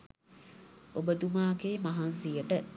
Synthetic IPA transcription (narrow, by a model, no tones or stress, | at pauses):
obəd̪umaːɡeːmaɦansijəʈə